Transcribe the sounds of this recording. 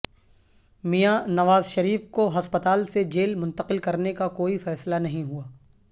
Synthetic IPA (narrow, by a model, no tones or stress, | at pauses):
mijanɐʋaːzʃɐɾiːfkoɦɐspət̪aːlsed͡ʒeːlmʊ̃nt̪əqɪlkɐɾnekakoːifɛːslanɐɦĩɦuaː